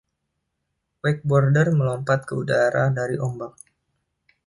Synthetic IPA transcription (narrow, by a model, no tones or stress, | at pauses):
wɛk̚bɔrdərməlɔmpat̪̚kəudaɾadaɾiʔɔmbak̚